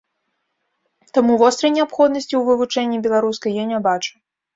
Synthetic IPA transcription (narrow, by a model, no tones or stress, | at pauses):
t̪amuvɔst̪ɾɐjnʲɛapxɔd̪nɐsʲt͡sʲiwvɨvut͡ʂɛnʲːibʲɛlˠaɾuskɐjjanʲabat͡ʂu̥